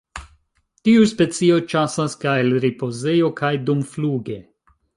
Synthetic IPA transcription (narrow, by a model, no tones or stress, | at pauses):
tiuspe̞t͡siot͡ʃasaskaelɾipozejokʰajdumfluɡe